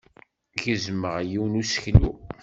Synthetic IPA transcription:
ʝəzməʁjiwnusə̥çlu

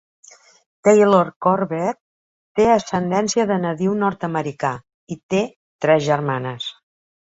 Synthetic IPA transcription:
t̪ejloɾkɔɾβɛt̪̚ | t̪eəsənd̪ɛnsiəðənəðiwnɔɾt̪əməɾika | it̪e | t̪ɾɛzʒəɾmanəs

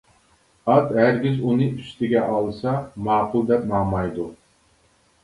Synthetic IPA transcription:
ɑt̪ɦæɾɡʲɪzunɨyst̪ʰɪɡʲɛʔɑlˠsɑmɑːqʰʊlˠd̪ɛpnɑmɑjd̪u

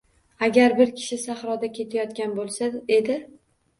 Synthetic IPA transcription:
aɡʲaɾbɪɾkʲʰɪ̥ʃɪsahɾɒd̪akʲʰe̞t̪ʰajɒt̪kʲanbolˠsae̞d̪ɪ

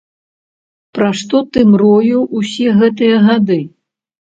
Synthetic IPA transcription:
pɾaʂt̪ɔt̪ɨmɾɔjuwʔusʲɛɣɛt̪ɨjɐɣad̪ɨ

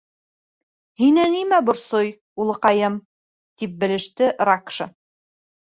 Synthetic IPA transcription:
hinænimæbŏɾsoj | ulˠɤ̆qɑjɤm | t̪ip̚bɘ̆lɘ̆ʃt̪ɘʔɾakʃɤ̰

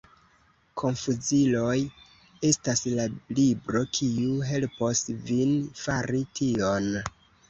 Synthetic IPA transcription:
kʰo̞nfuzilo̞j | e̞staslalibɾo̞kʰiuɦe̞lpo̞svinfaɾitʰio̞n

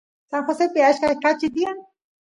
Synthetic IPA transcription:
saŋxosepɪaʃkakat͡ʃid̪ian

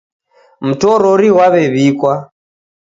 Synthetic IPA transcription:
m̩tɔɾɔɾiwaβɛβikwa

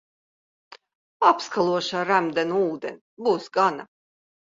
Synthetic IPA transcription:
apskalˠuɔʃaːɾæmd̪ɛnuuːd̪enʲ | buːsɡana

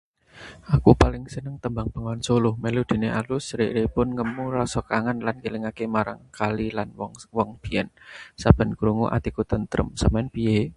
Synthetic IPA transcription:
ʔakupalɪŋsənəŋt̪əmbaŋb̥ə̤ŋansolʊhmelud̪̥i̤nealusɾɪʔɾepʊnŋəmurɔsɔkaŋanlankilɪŋakemaɾa̰ŋkalilanwɔŋb̥i̤ɛnsab̥ə̤nkuɾuŋṵʔa̰t̪ikut̪ənt̪ɾə̰msəmɛnpije

